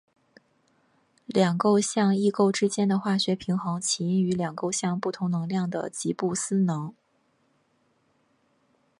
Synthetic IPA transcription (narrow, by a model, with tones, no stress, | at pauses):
ljɑ˨˩ŋko˥˧ʊɕjɑ˥˧ŋi˥˧ko˥˧ʊʈ͡ʂɻ̩˥t͡ɕjɛ˥nd̪ə˨xwa˥˩ɕɥɛ˧˥pʰi˧˥ŋxɤ˧˥ŋt͡ɕʰi˧˥i˥ŋy˧˥ljɑ˨˩ŋko˥˧ʊɕjɑ˥˧ŋpu˥˩t̪ʰʊ˧˥ŋnɤ˧˥ŋljɑ˥˩ŋd̪ə̰˩t͡ɕi˧˥pu˥˩sɹ̩˥nɤ˧˥ŋ